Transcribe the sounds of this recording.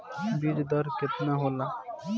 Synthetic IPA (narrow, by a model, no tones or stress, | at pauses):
biːd͡ʒd̪əɾkɪt̪naɦoːlaː